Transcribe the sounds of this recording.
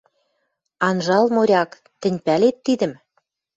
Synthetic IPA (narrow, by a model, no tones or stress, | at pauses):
ɑnʒɑlmoɾʲɑk | t̪ɘ̆nʲpælet̪ːid̪ə̆m